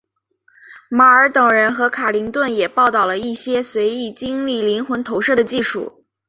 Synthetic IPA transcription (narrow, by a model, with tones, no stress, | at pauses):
ma˨˧˩ə˞˧˥t̪ɤ˨˩ŋɻə˧˥nxɤ˧˥kʰa˨˩li˧˥ŋt̪wə˥˩njɛ˨˩pɑ˥˧ʊt̪ɑ˥˩ʊlə˩i˥˩ɕjɛ˥swe˧˥ɪi˨˥˩t͡ɕi˥ŋli˥˩li˧˥nxwə˧˥nt̪ʰo˧˥ʊʂɤ˥˩d̪ə˩t͡ɕi˥˩ʂṵ˨˩˦